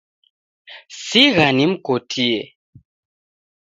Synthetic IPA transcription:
siɣanim̩kotʰiɛ

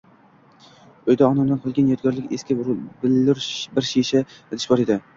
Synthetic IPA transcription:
ojd̪aɒnamd̪anqʰɒlˠɡʲanjɒt̪̚ɡʲɒɾlɪkʲeskʲɪblɪɾbɪɾʃeʃaed̪ʰɪ̥ʃbɒɾed̪ɪ

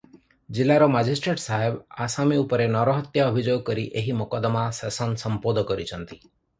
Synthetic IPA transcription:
d͡ʒilːaɾɔmad͡ʒisʈɾeʈsaɦebasamiupəɾenɔɾɔɦət̪jaəbʱid͡ʒoɡkəɾiʔeɦimɔkɔd̪masɛsənsəmpod̪kɔɾit͡ʃʰənt̪i̥

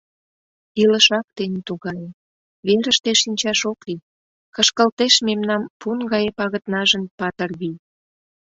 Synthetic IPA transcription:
iləʃɑk̚t̪ent̪uɣɑje | βeɾəʃt̪eʃinʲt͡ɕɑʃokli | kəʃkəlt̪eʃmemnɑmpunɣɑjepɑɣət̪nɑʒənpɑt̪ərβij

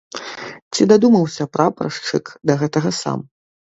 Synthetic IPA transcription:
t͡sʲid̪ad̪umɐwsʲɐpɾɐpɾɐ̰ʂt͡ʂɨkd̪ɐɣɛt̪ɐɣɐsa̰m

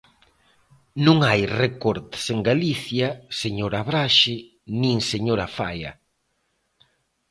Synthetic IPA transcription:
nũŋajrekoɾt̪seŋɡaliθjɐseɲoɾaβɾaʃɪ | nĩŋseɲoɾafa̰jɐ̰

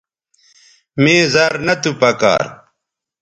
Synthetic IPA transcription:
meːzɐɾnɐt̪upɐka̰ːɾ

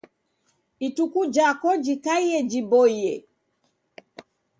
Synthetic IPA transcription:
itukud͡ʒakɔd͡ʒikaiɛd͡ʒibɔijɛ

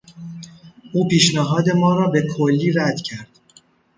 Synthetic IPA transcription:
ʔuːpiːʃnæɦɒːd̪e̞mɒːɾɒːbe̞kʰolːiːɾæd̪̥cʰæɾd̪̥

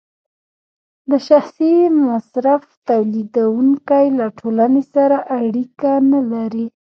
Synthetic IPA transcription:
d̪əʃaxsimasɾaft̪awlid̪awuŋkajlaʈʰolanesaɾaʔaɽikanalaɾi

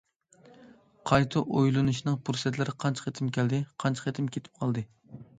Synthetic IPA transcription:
qʰɑjt̪ʰuʔojlˠɨnuʃinɨŋpʰuɾsɛt̪lɪɾɪqʰɑnt͡ʃʰχet̪ʰɪmkʲɛld̪ɪqʰɑnt͡ʃʰqet̪ʰɪmkʲʰet̪ʰɪ̥p̚qʰɑlˠd̪ɨ

